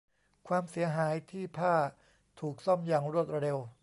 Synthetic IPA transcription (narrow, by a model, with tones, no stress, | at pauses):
kʰwaː˧msi˩˦ɐɦaː˩˦jt̪ʰiː˥˩pʰaː˥˩ | t̪ʰuː˨˩k̚sɔ˥˩mjaː˨˩ŋɾu˥˩t̪̚ɾa˧ɾe˧w